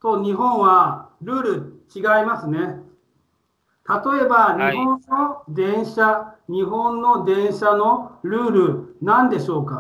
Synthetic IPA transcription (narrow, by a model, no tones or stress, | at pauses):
t̪o̞ɲ̟iɦõ̞ɰ̃βaɾɯ̟ːɾɯ̟t͡ɕiɡaimasɨne̞ | t̪at̪o̞e̞baɲ̟iɦõ̞nːo̞d̪ẽ̞ɰ̃ɕaɲ̟iɦõ̞nːo̞d̪ẽ̞ɰ̃ɕano̞ɾɯ̟ːɾɯ̟nãnd̪e̞ɕo̞ːka